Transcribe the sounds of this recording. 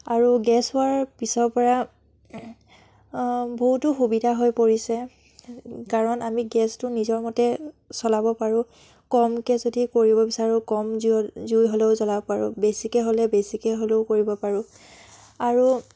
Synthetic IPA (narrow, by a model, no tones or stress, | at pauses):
aɹuɡɛsʊwaɹpisɔɹpɔɹa | boɦutʊxubidʱaɦojpoɹisɛ | kaɹɔnamiɡɛstʊnizɔɹmɔtɛ | sɔlabɔpaɹʊ̃ | kɔmkɛzodikoɹibɔbisaɹʊ̃kɔmzizujɦoleʊzɔlabɔpaɹʊ̰̃besikɛɦolɛbesikɛɦoleʊkoɹibɔpaɹʊ̃ | aɹu